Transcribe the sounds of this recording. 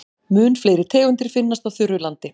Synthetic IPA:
mʏːnfleːjɾɪɾt̪ʰɛːɣʏnt̪ɪɾ̥fɪnːast̪aðθʏɾʏlant̪ɪ

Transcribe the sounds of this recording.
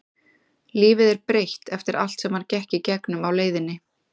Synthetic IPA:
liːvɪðɛɾ̥pɾejht̪ɛft̪ɪɾa̰l̥t̪sɛmaɾcɛhcɪcɛknʏmawleːjðɪnːɪ

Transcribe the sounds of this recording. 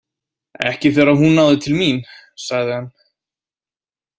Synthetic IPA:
ɛ̰hcɪθɛɾaɦunːaːwðɪt̪ʰɪlmin | saɣðɪhan

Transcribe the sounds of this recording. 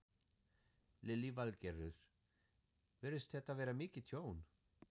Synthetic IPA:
lɪlːivalcɛɾʏɾ̥ | vɛɾɪst̪θɛht̪ːavɛːɾamɪːcɪt̪ʰjoːwn

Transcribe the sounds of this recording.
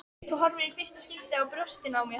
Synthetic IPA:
t̪ʰuɦɔɾvɪɾɪɾ̥fɪrst̪ascɪl̥t̪ɪawpɾost̪ɪnaːwmjɛ

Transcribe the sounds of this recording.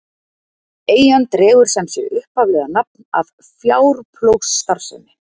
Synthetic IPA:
eːjjant̪ɾɛːɣʏɾ̥sɛmsjɛ̰ʏhphavlɛːɣanap̚na̰v | fjaːwɾpʰlowxsːt̪aɾ̥sʏnːɪ

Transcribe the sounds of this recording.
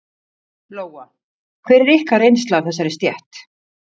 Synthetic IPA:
loːwa | kʰvɛːɾɛɾɪhkaɾejnst̪lawθɛs̬ːaɾɪst̪jɛht̪

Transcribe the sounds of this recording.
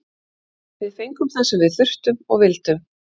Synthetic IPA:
vɪðfejŋkʏmθɛsɛmvɪðθʏr̥t̪ʏmɔ̰ɣvɪlt̪ʏm

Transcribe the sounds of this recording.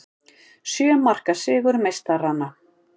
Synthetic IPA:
sjœːmar̥kasɪːɣʏɾmejst̪aranːa

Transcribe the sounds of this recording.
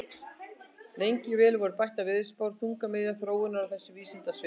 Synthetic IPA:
nejɲcɪvɛːlvɔɾʏpajht̪avɪðspaːwɾ̥θuŋkamɪðjaθɾoːwɪnaɾawθɛsːʏviːsɪnt̪asvɪ

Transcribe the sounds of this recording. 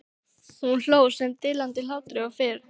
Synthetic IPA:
hunl̥oːwsɛmt̪ɪːlant̪ɪlawt̪ɾɪawfɪːɾ

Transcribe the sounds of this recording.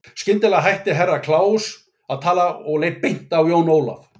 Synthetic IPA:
scɪnt̪ɪlaɦajht̪ɪɦɛrːakʰlaːws | aðt̪ʰaːlaɔɣleːjht̪̚pejn̥t̪awjoːwnoːwla̰f

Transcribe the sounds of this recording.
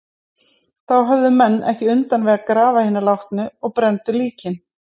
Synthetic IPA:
θawɦœvðʏmɛnːʔɛ̰hcɪʏnt̪anvɪɣakɾaːvahɪnːʏlawht̪nʏɔɣpɾɛnt̪ʏliːcɪn

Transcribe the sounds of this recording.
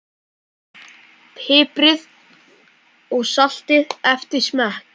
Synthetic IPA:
pʰɪːpɾɪð | ɔɣsɔɬt̪ɪðɛft̪ɪ̥smahk

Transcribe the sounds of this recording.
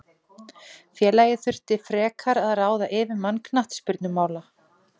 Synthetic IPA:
fjɛːlajɪθʏr̥t̪ɪfɾɛːkʰaɾaðaɾaːwðaʔɪːvɪɾmanknaht̪spʏɾt̪nʏmaːwla

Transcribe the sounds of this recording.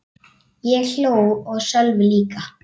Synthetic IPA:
jɛɣɬoːwɔɣsœlvʏliːka

